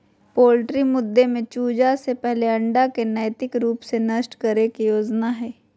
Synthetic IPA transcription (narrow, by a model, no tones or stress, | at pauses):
poːlʈɾimʊd̪ʱːemẽt͡ʃuːd͡ʒasepɛɦleɐ̃ɳɖakenɛːjt̪ɪkɾuːpsenɐsʈkɐɾekijoːd͡ʒnaɦɛː